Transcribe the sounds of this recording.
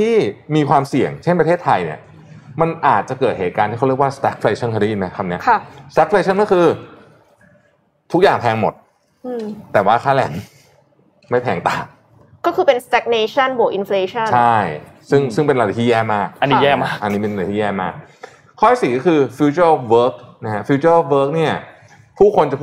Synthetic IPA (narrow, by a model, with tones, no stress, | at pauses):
t̪ʰiː˥˩miː˧kʰwaː˧msi˨˩əŋt͡ɕʰe˥˩npa˧t̪ʰeː˥˩t̪ʰːa˧jnḭ˥˩ | ma˧nʔaː˨˩t̪̚t͡ɕa˨˩kɤː˨˩t̪̚heː˨˩t̪̚kaː˧nʰiː˥˩˥ɾəkwaː˥˩st̪ɛː˦˥k̚fʰleː˧t͡ɕʰa˥˩nkʰa˧˦i˦˥˨ma˦˥jkʰa˧m̚ni˦˥ɐkʰa˥˩st̪ɛ˦˥fʰleː˧t͡ɕʰa˥˩nkɔː˥˩kʰɯː˧ | t̪ʰu˦˥k̚jaː˨˩ŋpʰɛː˧ŋmo˨˩t̪̚ | ɯ˧˩t̪ːɛː˨˩waː˥˩kʰaː˥˩lɛ˨˩˦n | ma˥˩jpʰɛː˨˩˦ŋt̪aː˨˩ | kɔː˥˩kʰɯː˧pe˧nst̪ɛ˦˥k̚neː˧t͡ɕʰa˥˩nwu˨˩˦kʔi˧nfleː˧t͡ɕʰa˥˩t͡ɕnʰa˥˩jsɯ˥˩ŋsɯ˥˩ŋpe˧nɾa˧a˨˩t̪ʰiː˦˥˩jɛː˥˩maː˥˩k̚a˧nːi˦jɛː˥˩maː˦˥˩ʔa˧nːiː˦˥pe˧n˧˩t̪ʰiː˦˥jɛː˥˩maː˥˩k̚ | kʰːɔː˥˩˥siː˨˩kɔː˥kʰɯː˧fu˧t͡ɕu˥˩ʔwɤː˦˥k̚na˦˥ha˦˥fi˧˥t͡ɕuː˥˩ʔwɤː˦˥k̚ni˥˩ɐ | pʰuː˥˩kʰo˧nt͡ɕa˨˩pʰ